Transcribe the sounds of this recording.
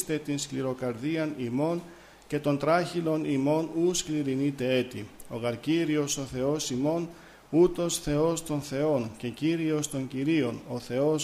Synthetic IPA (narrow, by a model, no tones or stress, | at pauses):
t̪e̞t̪inskliɾo̞kɐɾðiɐnimo̞n | ce̞t̪o̞nt̪ɾɐçilo̞nimo̞nuskliɾinit̪e̞e̞t̪io̞ɣɐɾciɾio̞so̞θe̞o̞simo̞n | ut̪o̞sθe̞o̞st̪o̞nθe̞o̞nce̞ciɾio̞st̪o̞ɲciɾio̞no̞θe̞o̞s